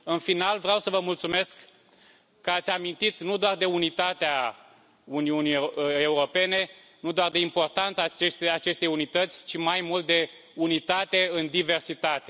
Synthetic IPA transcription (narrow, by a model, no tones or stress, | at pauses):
ɨnfinalvɾeawsəvəmult̪sume̞skː | əat̪sʲamint̪it̪nud̪oard̪e̞unit̪at̪ea | uniunieuɾo̞pe̞ne̞ | nud̪oard̪e̞impo̞rt̪ant̪sat͡ʃest̪at͡ʃe̞st̪e̞junit̪ət̪sʲt͡ʃimajmult̪̚d̪e̞ | unit̪at̪e̞ɨnd̪ive̞rsit̪at̪e̞